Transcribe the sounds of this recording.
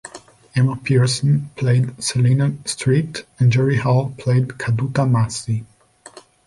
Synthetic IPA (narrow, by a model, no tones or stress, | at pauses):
ɛməpʰiɹsə̃npʰl̥eɪdsəlinəstʰɹ̥itɨ̃nd͡ʒɛɹihalˠpʰl̥eɪdkʰadutamasi